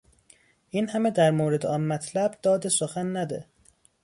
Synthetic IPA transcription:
ʔiːnhæmed̪æɾmoːɾe̞d̪eɒnmæt̪ʰlæbd̪̥ɒːd̪esoxænːæd̪e

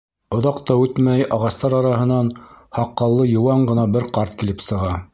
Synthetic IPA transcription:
ŏðɑqt̪ɑʉt̪mæjɑʁɑst̪ɑɾɑɾɑhɤ̆nɑnhɑqːɑlˠːɤjŏwɑɴɢɤ̆nɑbɘɾqɑɾt̪kilɘpsɤ̆ʁɑ

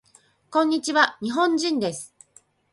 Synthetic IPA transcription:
kõ̞ɲ̟ːit͡ɕiβaɲ̟iɦõ̞ɲd͡ʑĩnd̪e̞sɨ̥

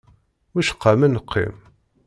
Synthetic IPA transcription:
wiʃə̥qːamənəqʰːḭm

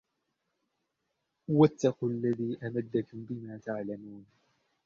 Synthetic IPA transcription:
wat̪ːaquːlːaðiːʔamad̪ːakʊmbɪmaːt̪aʕlamuːn

